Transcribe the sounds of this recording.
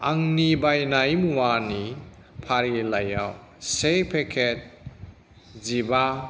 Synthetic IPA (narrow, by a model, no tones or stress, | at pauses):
aŋnibajnajmuwani | pʰaɾilaja̰w | sepʰekʰet̚ | ziba